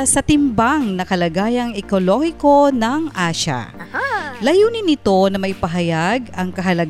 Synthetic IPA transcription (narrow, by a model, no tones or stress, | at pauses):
sɐt̪ɪmbaŋnɐkɐlɐɡaːjɐŋɛkolo̞hɪko̞nɐŋʔaːʃa̰ | lɐjuːnɪnɪt̪o̞nɐmɐʔɪpɐɦɐjaɡɐŋkɐɦɐlɐɡ